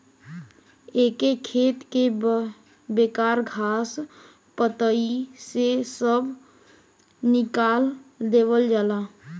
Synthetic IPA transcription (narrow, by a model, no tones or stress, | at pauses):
eːkekʰeːt̪ke | beːkaːɾɡʱaːs | pət̪əisesəb | nɪkaːld̪eːʋəld͡ʒaːlaː